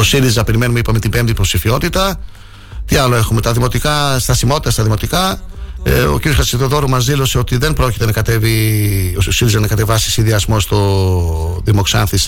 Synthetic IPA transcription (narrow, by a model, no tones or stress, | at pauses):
osiɾizɐpe̞ɾime̞numeipɐmet̪ibe̞mt̪ipɾo̞psifio̞t̪it̪ɐ | t̪iɐlo̞e̞xume̞t̪ɐðimo̞t̪ikɐst̪ɐsimo̞t̪it̪ɐst̪ɐðimo̞t̪ikɐ | o̞̰ciɾioxɾɐsiðoðo̞ɾumɐzðilo̞se̞o̞t̪iðe̞nbɾo̞cit̪e̞nɐkɐt̪e̞viosiɾizɐnɐkɐt̪e̞vɐsi̥sinðiɐzmo̞st̪o̞ | ðimo̞ksɐnθis